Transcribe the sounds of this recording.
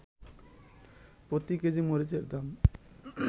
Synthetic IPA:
pɾot̪iked͡ʑimoɾid͡ʑeɾd̪am

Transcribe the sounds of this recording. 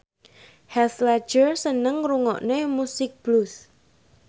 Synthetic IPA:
hɛslḁʒ̥ərsənəŋɾuŋɔ̰ʔnemusɪk̚b̥lus

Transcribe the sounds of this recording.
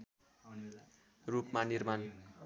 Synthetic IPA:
rupmanirman

